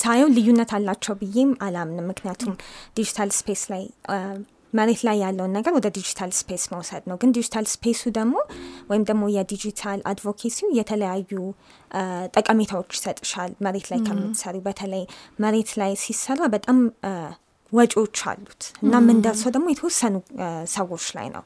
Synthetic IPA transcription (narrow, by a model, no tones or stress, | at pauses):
sajɛwlɨjːunːət̪ʰalːat͡ʃːɛwbɨjːe̞malamnəwmːɨknijat̪ʰumd̪̥id͡ʒit̪ʰalspʰe̞slaj | məɾe̞t̪lajːalːəwnːəɡəɾwɔd̪əd̪id͡ʒit̪ʰalspʰe̞sməwsəd̪nəwɡɨnd̪id͡ʒit̪ʰalspʰe̞sud̪əɡmo̞wɔjɪmd̪əɡmo̞jɛd̪id͡ʒit̪ʰala̰d̪vo̞kʰesijɛt̪ʰələjajːu | t̪ʼəkʼəmet̪ʰawo̞t͡ʃːsət̪ʼɨʃalːməɾe̞t̪lajkʰəmːɨt̪ːɨ̥səɾjubət̪ʰələjməɾe̞t̪lajsisːərːabət̪ʼam | wɔt͡ʃʼo̞t͡ʃːa̰lːut̪ʔɨnːamːɨnd̪əɾsəwd̪əɡmo̞jɛt̪ʰəwɔsːənusəwo̞t͡ʃːla̰jnə̰w